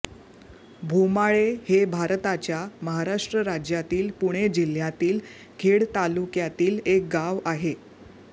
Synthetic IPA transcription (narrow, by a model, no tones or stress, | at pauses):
bʱumaɭehebʱaɾt̪at͡ɕjaməɦaɾaʂʈɾəɾad͡ʑjat̪iːlpuɽ̃ed͡ʑil̤jat̪iːl | ɡʱeɽt̪alukjat̪iːlek̚ɡaʋaɦe